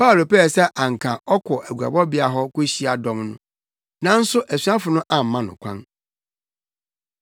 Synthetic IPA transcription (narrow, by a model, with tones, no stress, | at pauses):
pa˦˨lo˨pɛ˦ɛ˨sɛ˦ʔã˨ŋ̩˨kʰã˨ʔɔ˦kʰɔ˨ʔæ˨ɡu˨a̰˨bɔ˦bɪ˨˦a˨ɦɔ˦kʊ˦ɕi˦a˨dɔ̃˦mnʊ̰̃˦ | nã˨n̩˦sʊ˦ʔæ˨su˨˦ã˦fʊ˨nʊ̃˦ʔã˨m̩˨mã˦nʊ̰̃˨kʷʰã̰˦n